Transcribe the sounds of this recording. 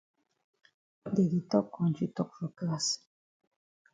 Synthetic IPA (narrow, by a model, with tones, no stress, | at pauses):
de˨ɡi˨t̪ɔ˦kːɔ˨nd͡ʒi˨t̪ɔ˦k̚vɔ˨ka˦˨s